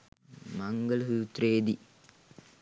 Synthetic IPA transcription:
mɐŋɡɐlsuːt̪ɾeːd̪i

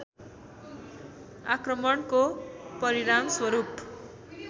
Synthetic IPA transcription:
akrʌmʌɳkopʌɾiɾamswʌɾup

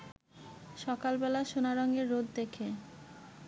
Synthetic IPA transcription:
ʃɔkalbɛlaʃonaɾɔŋɡeɾːod̪d̪ekʰe

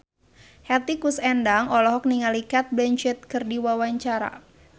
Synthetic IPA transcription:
hɛt̪ikusɛndaŋɔlɔɦɔk̚niŋalikat̪̚blɛɲt͡ʃɛt̪̚kɨrdiwawaɲt͡ʃaɾa̰

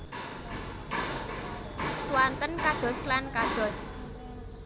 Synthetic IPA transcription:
swant̪ənkad̪̥ɔ̤slankad̪̥ɔ̤s

